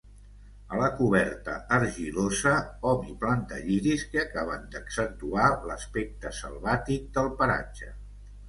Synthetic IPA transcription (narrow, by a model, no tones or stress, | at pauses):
ələkuβɛɾt̪ə̰əɾʒilozəɔβiplant̪ə̰ʎiɾiskeəkaβənd̪əksənt̪ualə̰spɛk̚t̪əsə̰lˠβat̪ik̚d̪əlˠpəɾa̰d͡ʒə